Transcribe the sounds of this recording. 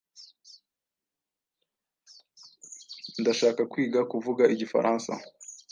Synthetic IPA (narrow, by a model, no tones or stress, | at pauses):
ndaʃaːkakwiːɡakuvuɡaʔiɟifa̰ɾʔaːnsa̰